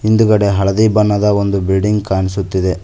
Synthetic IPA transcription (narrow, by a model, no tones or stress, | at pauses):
ind̪uɡɐɽe̞ɦɐɭɐd̪iːbɐnːɐd̪ɐond̪ubilɖiŋɡkaːnis̬ut̪ːid̪e̞